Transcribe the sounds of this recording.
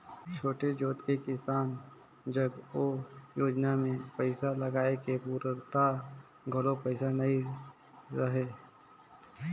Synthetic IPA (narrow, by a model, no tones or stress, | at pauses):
t͡ʃʰoːʈed͡ʒoːt̪kekɪsaːn | d͡ʒəɡoːjoːd͡ʒnamẽpəɪsaləɡaːekepuːɾəɾt̪a | ɡʱʊlopəɪsanɐi | ɾəɦeː